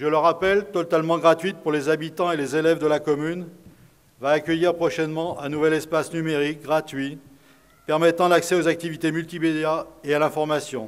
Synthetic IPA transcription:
ʒələʁapɛlt̪ɔt̪almɑ̃ɡʁat̪ɥit̪̚puʁlezabit̪ɑ̃elezelɛvd̪əlakɔmyn | vaːkʲəjiʁpχɔʃɛnmɑ̃ʔɛ̃nuvɛlɛspasnymeʁik̚ɡʁat̪ɥi | pɛʁmɛt̪ɑ̃laksɛozak̚t̪ivit̪emylt̪imed̪jaealɛ̃fɔʁmasjɔ̰̃

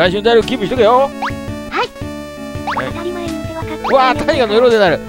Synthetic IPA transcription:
ɾaiɕ̬ɨnd̪aaɾɯɡʲibɯ̟ɕit̪okejo | ha | a | ɯaːt̪ʰaɲiɡanoeɾoːd̪enaɾɯ̟

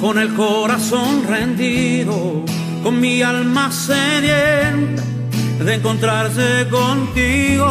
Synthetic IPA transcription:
ko̞ne̞lkoɾasonrend̪iðo | ko̞nmialmasenjent̪e | ðeːŋko̞nt̪ɾaɾs̬ekont̪iɣo

